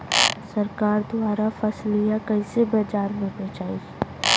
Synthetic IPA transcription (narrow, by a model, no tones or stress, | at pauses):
sɐɾkaːɾd̪aːɾafɐslijakɐisebɐd͡ʒaːɾmẽnẽt͡ʃaːi